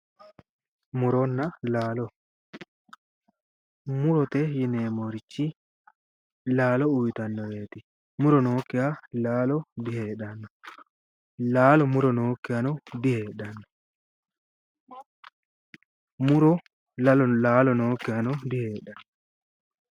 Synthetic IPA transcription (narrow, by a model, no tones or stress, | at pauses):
mʊɾɔnːɐlaːlɔ | mʊɾɔt̪ɛjɪneːmoɾɪt͡ʃːɪ | laːlɔʊjɪt̪ɐnːɔbe̞ːt̪ɪ | mʊɾɔnoːkːɪjalaːlɔd̪ɪheːᶑɐnːɔ | laːlɔmʊɾɔnoːkːɪjɐnɔd̪ɪheːɗɐnːɔ | mʊɾɔ | ɐlɔlaːlɔnoːkːɪɐnɔd̪ɪheːɗɐnː